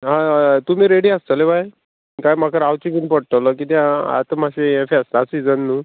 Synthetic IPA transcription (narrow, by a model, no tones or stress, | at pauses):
ɦãt̪um̤iːɾeɽiːast̪əlebaj | kajmakʰəɾawt͡ɕikinpəɽ̚ʈ̪ələkit̪ea̰t̪əmaɕeefeast̪aasid͡zənːu